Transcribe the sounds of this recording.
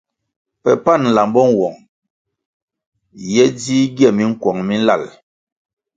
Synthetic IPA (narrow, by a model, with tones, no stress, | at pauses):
pɛ˨pa˦˨n̩˨la˨mbɔ˦ŋwɔ˨ŋ | jɛ˦diː˦ɡjɛ˦˨mi˦ŋ̩˦kwɔ˨ŋmi˦n̩˦la˦˨l